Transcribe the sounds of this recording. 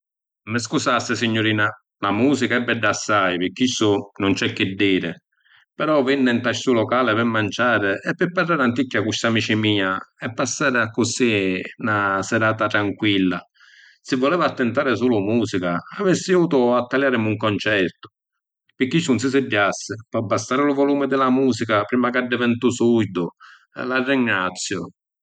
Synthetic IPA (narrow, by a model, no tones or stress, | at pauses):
mɪs̬kusasːɪsiɲːʊɾiːna | lamuːsikaɛbːɛɖːasːajpɪkːisʊnʊnt͡ʃɛkːɪd̪ːiːɾɪ | pɛɾɔvinːɪnt̪aʃsulɔkaːlɪpɛmːant͡ʃaːɾɪɛpːɪpːarːaːɾant̪ikːakːust̪amiːt͡ʃɪmiːaɛpːasːaːɾɪakːʊsinasɛɾaːt̪at̪ɾaŋkwilːa | sɪvːɔlɛːvaːt̪ːɛnt̪aːɾɪsuːlʊmuːsikaːvɛsːɪuːt̪ʊat̪ːaljaːɾɪmuŋkɔnt͡ʃɛɾt̪ʊ̥ | pɪkːit͡ʃːunsɪs̬ɪdːasːɪpɔbːast̪aːɾɪlʊvɔluːmɪd̪ɪlamuːsikapɾiːmakaɖːɪvɛnt̪usud̪ʊ | ɛ̰larːɪŋːat̪sːjʊ